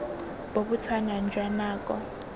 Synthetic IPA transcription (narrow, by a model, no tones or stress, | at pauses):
b̥oɓut͡sʰanand͡ʒʱwanaːk̬ʼɔ̰